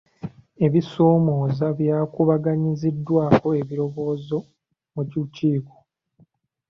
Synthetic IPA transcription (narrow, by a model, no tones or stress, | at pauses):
e̞βiso̞ːmo̞ːzaβjaːkuβaɡaɲizidːwaːko̞e̞βiɾo̞βo̞ːzo̞ | muciuciːko